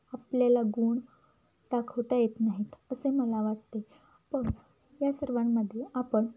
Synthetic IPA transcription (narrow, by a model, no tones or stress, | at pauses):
apljalaɡuːɳ | ʈakɦot̪ajet̪naɦiːt̪əseməlaʋaʈt̪e | pəɳ | jasəɾʋamːəd̪ʱːjeʔapəɳ